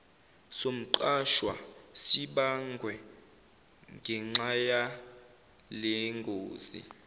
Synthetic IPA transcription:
som̩ǃaʃwa̰siɓaŋɡʱwɛ | ŋɡʱɛŋ͡ǀŋ͡ǁaja | lɛŋɡʱoːz̥ḭ

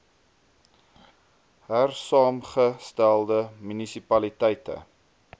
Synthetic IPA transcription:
ɦærsɑːmχəstælˠdəmynisipɐlitɛjtə̰

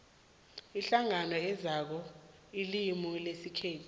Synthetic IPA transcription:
iɬaŋanɔɛzak̬ɔ | ilimulesikʰeːtʰi

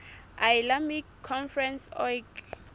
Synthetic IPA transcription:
ajlamikʰːɔnfrɾɛnsɔjk

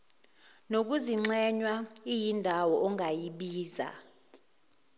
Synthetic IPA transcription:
nok̬uziŋ͡ǀɛɲwaijindʱawɔʔɔŋɡʱajiɓiːza̰

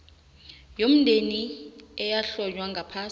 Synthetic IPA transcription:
jom̩ndʱeniɛjaɬɔd͡ʒwaŋɡʱapʰaː

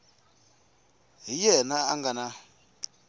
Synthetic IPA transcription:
ɦijɛnaaŋɡana

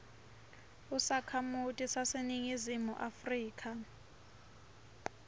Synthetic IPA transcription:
usakʰamutʼisaseniŋizimuʔafriːkʼʰa

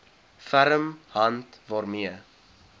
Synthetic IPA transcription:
fæɾəmhɐntvɑːrmiə

